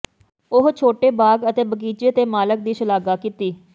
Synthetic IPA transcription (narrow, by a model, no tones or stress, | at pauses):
ʊɦt͡ʃʰoːʈeːbaːɡət̪eːbəkiːt͡ʃeːt̪eːmaːlək̚d̪iːʃəlaːɡaːkit̪iː